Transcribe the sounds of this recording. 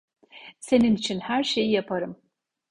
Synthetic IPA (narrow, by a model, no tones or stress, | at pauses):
sɐnɨmt͡ʃʰɪnħarʃejɐpʰɐɾɨm